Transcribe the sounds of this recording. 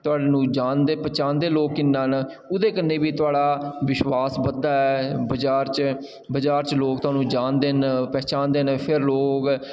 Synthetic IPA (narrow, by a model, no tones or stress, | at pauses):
t̪ʊaːɖeːnũːd͡ʒaːnd̪eːpət͡ʃãːnd̪eːloːkːɪnːãːn | ʊd̪eːkənːeːbiːt̪ʊaːɽaːʋɪʃwaːsbəd̪aːɛːbəd͡ʒaːɾt͡ʃ | bəd͡ʒaːɾt͡ʃloːkt̪ʊaːnũːd͡ʒaːnd̪eːnpɛːt͡ʃãːnd̪eːnpʰɪɾloːk